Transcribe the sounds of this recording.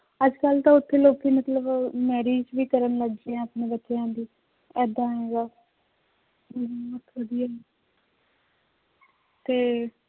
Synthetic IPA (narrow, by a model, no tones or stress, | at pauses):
əd͡ʒkəlt̪ãːʊt̪ʰːeːloːkʰːeːmət̪ləbmɛːɾiːd͡ʒʋiːkəɾənləɡd͡ʒeãːəpneːbətːʃejãːd̪iː | ɛːd̪ãːeːɡaː | ət̪ʰʋəd̪ijaːi | t̪eː